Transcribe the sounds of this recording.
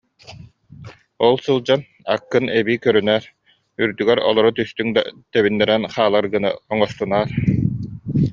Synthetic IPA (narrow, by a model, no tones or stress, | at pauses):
ɔlˠsɯlˠd͡ʑan | a̰kːɯnɛbiːkœɾynɛːɾ | yɾd̪yɡɛɾɔlˠɔɾɔt̪yst̪yŋd̪a̰t̪ɛβinːɛɾɛnχaːlˠaɾɡɯnɯ̰ɔŋɔst̪unaːɾ